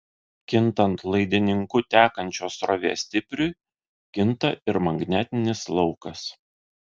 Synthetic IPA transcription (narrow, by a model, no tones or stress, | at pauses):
kʲɪnˑt̪ɐnt̪lˠɐɪd̪ʲɪnʲɪŋkʊt̪ʲæːkɐnʲt͡ʃʲoːsɾɔʋʲḛsʲt̪ʲɪpʲɾʲʊ | kʲɪnt̪ɐɪɾmɐŋɡnʲæːt̪ʲɪnʲɪslˠɒʊkɐs